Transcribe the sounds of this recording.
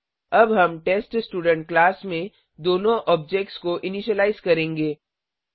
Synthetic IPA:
ɐbɦɐmʈeːsʈsʈuːɖə̃ɳʈ̚klaːsmẽ | d̪oːnõʔɔːb̚d͡ʒek̚ʈskoʔɪniʃəlaːɪzkɐɾẽːŋɡeː

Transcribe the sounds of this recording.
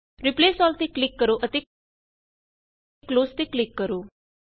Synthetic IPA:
ɾipleːsɔlt̪eklikːəɾoʔət̪e | kloːst̪eklikːəɾo

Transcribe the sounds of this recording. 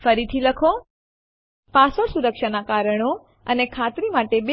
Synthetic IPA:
fəɾit̪ʰiləkʰo | pasoɾsuɾəkʃanakaɾəɳ̃o | ənekʰat̪ɾimaʈebe

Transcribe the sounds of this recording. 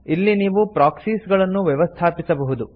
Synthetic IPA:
ilːiniːʋupɾaːksiːsɡɐɭɐnːuʋjɛʋɐst̪ʰaːpisɐbɐɦud̪u

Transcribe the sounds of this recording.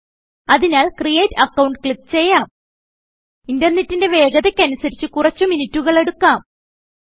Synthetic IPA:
ɐðinaːlkrijeːtɐkːɐwɳɖkɭip̚t͡ɕe̞jːaːm | indɐrnetːinde̞ʋe̞ːɡɐðekʲːɐnusɐɾit͡ɕːɨkurɐt͡ɕːuminitːuɣɐɭe̞ɽukːaːm

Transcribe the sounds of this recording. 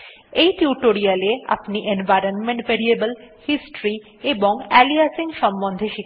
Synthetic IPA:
ejʈiuʈoɾialea̰pniʔenvajɾonmeɳʈpeɽiebəlhisʈɾi | eboŋɛliasiŋʃɔmbond̪ʱeʃit̪

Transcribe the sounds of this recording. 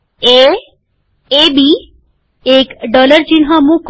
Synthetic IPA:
e | ebi | ekɖɔləɾd͡ʑiɳɦãmũk

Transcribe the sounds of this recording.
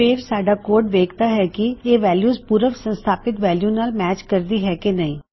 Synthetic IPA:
eːɾsaːɖaːkoːɾʈʋeːkt̪aːɦɛːkieːʋɛːljuːspuːɾəʋsə̃nst̪ʰaːpɪt̪ʋɛːljuːnaːlmɛːt͡ʃkəɾd̪iːɦɛːkenəĩː

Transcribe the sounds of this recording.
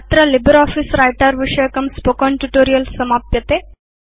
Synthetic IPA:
t̪ɾəlibəɾɔfisɾajʈaɾʋiʂəjkəmspokɔɳʈuʈoɾijəlsəmapjət̪e

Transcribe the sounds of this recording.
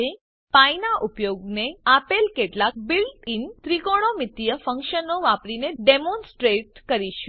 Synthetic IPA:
e | painaʔupjoɡneapelkeʈlak̚bilʈint̪ɾikoɽ̃omɪt̪ijəfəŋkʃənoʋapɽineɖemõnsʈɾeʈkəɾiʃu

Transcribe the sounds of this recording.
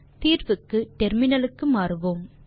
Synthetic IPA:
t̪iːɾʋɯkːɯʈɛɾmɪnɐlɯkːɯmaːɾɯʋoːm

